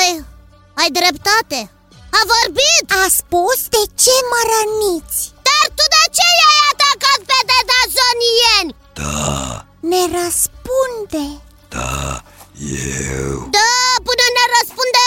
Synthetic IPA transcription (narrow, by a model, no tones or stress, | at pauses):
əj | ajd̪ɾept̪at̪e | avorbit̪aspusd̪et͡ʃeməɾənit̪sʲd̪̥art̪ud̪et͡ʃejajat̪akaped̪ed̪azonijenʲ | d̪̥a̰ | neɾəspund̪e | d̪̥a̰ | jewd̪apɨnəneɾəspund̪e